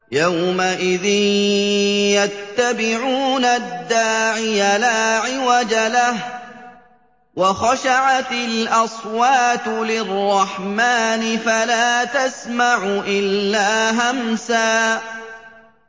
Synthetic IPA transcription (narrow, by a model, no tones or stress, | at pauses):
jawmaʔɪðɪn | jat̪ːabɪʕuːnad̪ːaːʕɪjalaːʕɪwad͡ʒalah | wɑxaʃaʕat̪ɪlʔɑsˤwaːt̪lɪrˤːɑħmaːnɪfalaːt̪asmaʕʊʔɪlːaːɦamsaː